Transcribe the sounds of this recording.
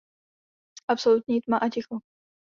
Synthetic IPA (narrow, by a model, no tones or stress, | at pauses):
ʔapsolut̪̚ɲiːt̪maʔacɪxo